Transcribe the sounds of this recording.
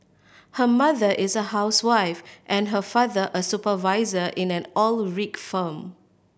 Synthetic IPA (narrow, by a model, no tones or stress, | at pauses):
həmaðəʔɪsəɦaʊswaɪfʔɛ̃nɦəfaðəʔəsupəvaɪzəʔɪ̃nɛ̃nɔlɹikfə̃m